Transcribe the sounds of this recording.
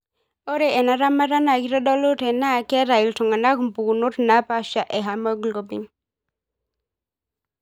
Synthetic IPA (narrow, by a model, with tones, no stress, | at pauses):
o˦ɾe˨ʔɛ˨na˦ɾa˦ma˦ɾa˦na˨ki˦ɾɔ˦dɔ˦lo˦tɛ˨na˦˨˦kɛ˦ɾa˨i˨ltɔ˨ŋa˨na˦ku˨m̩˨pu˨ku˨no˦tna˦pa˦ʃa˨ʔɛ˨ɦa˨ma˦ɡlo˦bi˨ŋ